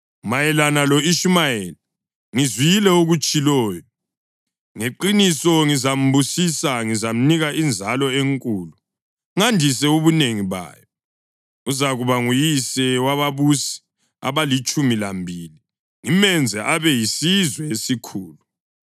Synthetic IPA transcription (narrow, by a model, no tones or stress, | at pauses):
majɛlanalɔiʃumajɛːl | ŋizwijilɛoɣut͡ʃʼilɔːjɔ | ŋeǃinisɔŋizam̩busisaŋizam̩niɣaind͡zʱalɔeŋkʼuːlu | ŋandʱisɛuβuneŋiβa̰ːjɔ | uzaɣuβaŋujisɛwaβaβusi̥ | a̰βalit͡ʃʼumilambʱiːli | ŋimɛnd͡zʱɛʔaβɛjisizwɛesikʰuːlu